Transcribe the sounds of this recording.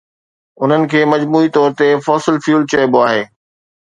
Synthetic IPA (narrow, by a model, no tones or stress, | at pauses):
ʊn̤ənɪ̆kʰeːmɐd͡ʑmuːit̪ɔːɾt̪efɔːsɪlfjuːlt͡ɕeːboaːɦeː